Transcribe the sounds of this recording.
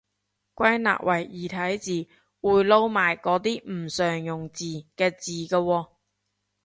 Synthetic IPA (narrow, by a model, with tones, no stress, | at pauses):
kʷɐ˥jna̰ː˨k̚wʔɐ˨˩jiː˨˩t̪ʰɐ˨˥jt͡siː˨ | wuː˨˩jlo˧wmaː˨˩jkɔː˨˥t̪iː˥m̩˨˩sœː˨ŋjʊ˨˩ŋt͡siː˨˩kɛː˧t͡siː˨kɐ˧wɔː˧